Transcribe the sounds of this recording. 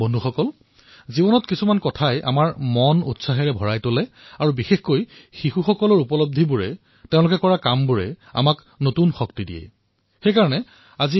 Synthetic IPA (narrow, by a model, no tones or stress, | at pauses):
bɔndʱuxɔkɔl | zibɔnɔtkisumankɔtʰajʔa̰maɹmɔnṵtsaɦɛɹɛbʱɔɹajtolɛ | aɹubixexkojxixuxɔkɔlɔɹupɔlob̚dʱibuɹɛ̰ | teʊ̃lʊkɛkɔɹakambuɹɛ̰a̰mak | notunxɔk̚tidḭjɛ̰ | xejkaɹɔnɛ | azi